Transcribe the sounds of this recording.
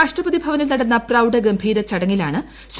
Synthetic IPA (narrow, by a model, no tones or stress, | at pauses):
aːʂʈrɐbɐðibʱɐʋɐnilnɐɽɐnːɐprɐwɖɐɡɐmbʱiːɾɐt͡ɕɐɽɐŋːilaːɳɨ | s